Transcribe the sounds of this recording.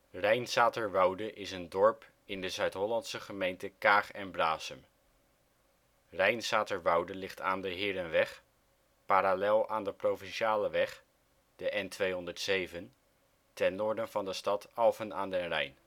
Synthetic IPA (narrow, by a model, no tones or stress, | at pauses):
rɛjnsaːtəɹʋɑwdəʔɪsəndɔɹp | ɪndəzœɥtɦɔlɑntsəχəmejntəkaːχɛnbraːsəm | rɛjnsaːtəɹʋɑwdəlɪχta̰ːndəɦɪːɾənʋɛχ | paːɾalɛlˠaːndəprowvɪnʃaːləʋɛχ | d̥əʔɛntʋejɦɔndəɹtsejvən | tɛnːʊːɹdənvɑndəstɑtɑlˠfənaːndɛnrɛ̰jn